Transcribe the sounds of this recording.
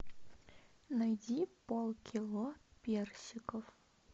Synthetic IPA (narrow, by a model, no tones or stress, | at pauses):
nɐjdʲipolˠkʲilˠopʲersʲɪkəf